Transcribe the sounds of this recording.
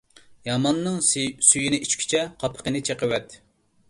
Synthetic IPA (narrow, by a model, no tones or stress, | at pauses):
jɑmɑnːɨŋsyjinɪʔit͡ʃkʲʰy̥t͡ʃʰɛqʰɑpʰə̥qənɪt͡ʃʰeqəwɛt̪